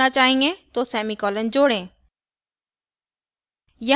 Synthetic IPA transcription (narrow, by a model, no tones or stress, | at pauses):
at͡ʃaːɦĩːŋɡẽt̪oːsɛːmikɔːlənd͡ʑoːɽẽː | jɐ